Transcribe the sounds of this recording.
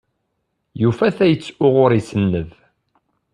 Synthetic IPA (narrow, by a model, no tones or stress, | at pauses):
jufæθæjət͡sːʊʁʊɾisənːəð